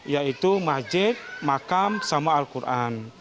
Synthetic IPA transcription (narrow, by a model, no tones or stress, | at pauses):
jait̪umad͡ʒɪt̪̚makamsamaːlkurʔan